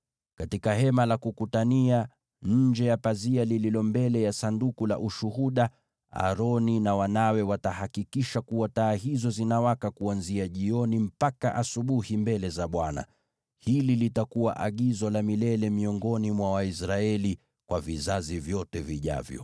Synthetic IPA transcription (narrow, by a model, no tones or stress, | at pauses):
katikahɛmalakukutania | ɲ̩d͡ʒɛjapazialililɔmbɛlɛjasandukula̰ʔuʃuhuɗa | a̰ɾɔninawanawɛwatahakikiʃakuwataːɦizɔzinawakakuanziaʄiɔnim̩pakaʔasuɓuhimbɛlɛzaɓwana̰ | hililitakuwa̰ʔaɠizɔlamilɛlɛmiɔŋɡɔnimwawaisɾaɛli | kwavizazivjɔtɛviʄa̰vjɔ̰